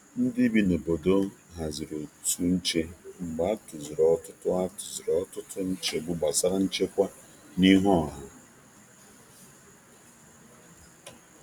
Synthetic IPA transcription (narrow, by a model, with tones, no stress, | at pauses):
n̩˦dɪ˦bi˦no˨bo˨do˦ɦa˨zi˨ɾo˨tu˦n̩˦t͡ʃe˦ŋ͡m̩˨ɡ͡ba˨˦tʊ˨zɪ˨ɾɔ˦tʊ˦tʊ˦a˦tʊ̥˨zi˨ɾɔ˨˦tʊ˦tʰʊ˦n̩˦t͡ʃe˨ɡ͡bʊ˦ɡ͡ba˨sa˦ɾa˦n̩˦t͡ʃe˦kʷa˦ | ni˦ɦɔ˦˨ɦa˨